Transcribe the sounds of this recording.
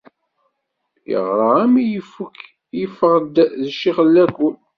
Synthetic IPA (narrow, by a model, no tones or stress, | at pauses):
jə̰ʁɾˤəæmijəfːuk | jəfːəʁd̪ðəʃːiχəlːækun